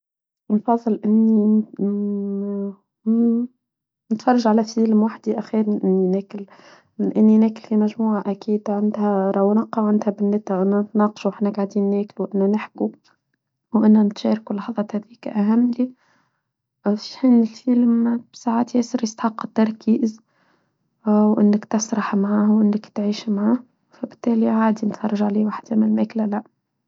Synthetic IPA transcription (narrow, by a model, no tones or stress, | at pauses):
nfɑðˤːɨlʔɪnːi | nɪt̪fɑrˤːɑʒʕalæfəlmwaħd̪iʔæxiːɾʔɪnːinæːkɪl | ʔɪnːinæːkɪlfimæʒmuːʕaʔækiːd̪ʕand̪hæɾˤɑwnɑqːɑʕɪnd̪hæbɪnːɪt̪æwʔɪnːænɪt̪nɑːqʃuwʔɪħnæɡaʕd̪iːnːæːkluwʔɪnːænɪħku | wʔɪnːænɪt̪ʃɑːɾˤkulɑħðˤɑːt̪hæðiːkʔæɦæmːli | fʃħiːnɪlfilmb̥saʕaːt̪jɛːsəɾjəst̪ḁħɑqːɪ̥t̪ːɑɾˤkʰiːz | wʔɪ̰nːɪkt̪ɑsɾˤɑħmʕaːhwʔɪnːɪkt̪ʕiːʃmʕaːh | fæbɪt̪ːæːliʕaːd̪int̪fɑrˤɑʒaʕliːwaħd̪æmɪlmæklælæ